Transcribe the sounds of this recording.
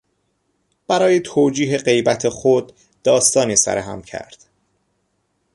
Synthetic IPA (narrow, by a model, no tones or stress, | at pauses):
b̥æɾɒːjet̪ʰoːd͡ʒiːɦe̞ɢe̞jbæt̪ʰexod̪ː | ɒːst̪ɒːniːsæ̰ɾeɦæ̰mcʰæ̰ɾd̪̥